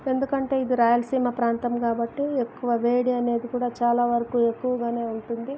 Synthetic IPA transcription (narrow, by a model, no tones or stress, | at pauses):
e̞nd̪ukɐɳʈe̞ːid̪iɾaːjɐlɐsiːmɐpɾaːnt̪ɐmkaːbɐʈːiekːuʋɐʋeːɽiɐne̞ːd̪ikuːɽaːt͡ʃaːlaːʋɐɾɐkuːe̞kːuʋɐɡaːne̞ːuɳʈund̪i